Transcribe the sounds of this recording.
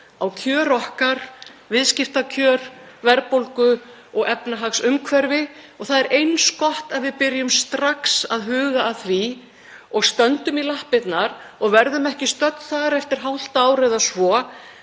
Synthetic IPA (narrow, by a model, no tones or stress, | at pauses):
awcʰœːɾɔhkaɾvɪðscɪft̪acʰœːɾ̥ | vɛɾpowlkʏ | ɔɣɛpnaɦaksʏmkʰvɛɾvɪɔɣθaðɛɾʔejnskɔht̪aðvɪðpɪɾjʏmst̪ɾaksaðɦʏːɣaːðθvi | ɔɣst̪œnt̪ʏmilahpɪt̪naɾɔɣvɛɾðʏmɛhcɪst̪œt̪n̥θaɣaɾɛft̪ɪɾ̥ɦawl̥t̪aːwɾɛðasvɔ